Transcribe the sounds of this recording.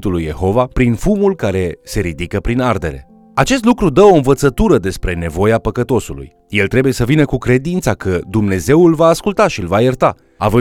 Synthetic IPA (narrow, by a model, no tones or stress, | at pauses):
t̪ulujːe̞̰ɦo̞vapɾinfumulkaɾe̞se̞ɾid̪ikəpɾinard̪e̞̰ɾe̞̰ | at͡ʃe̞st̪lukɾud̪əo̞ɨnvət̪sət̪uɾəd̪e̞spɾe̞ne̞vo̞japəkət̪o̞sulṵj | jelt̪ɾe̞buje̞səvinəkukɾe̞d̪int̪sakəd̪umne̞ze̞wulvaːskult̪aʃiɨlvajərt̪a | a̰vɨ